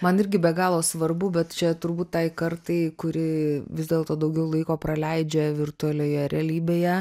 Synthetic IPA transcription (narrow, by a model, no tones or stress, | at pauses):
mɐnɪɾʲɡʲɪbʲɛɡɑːlˠoːsʋɐrbʊbʲɛt̪t͡ʃʲɛt̪ʊɾbuːt̪tɐɪkɐɾt̪ɐɪkʊɾʲɪʋʲɪzd̪ʲeːlˠt̪oːd̪ɐʊɡʲɛʊlˠɐɪkoːpɾɐlʲɛɪd͡ʒʲɛʋʲɪrt̪ʊɐlʲoːjɛɾʲɛːlʲiːbʲeːjɛ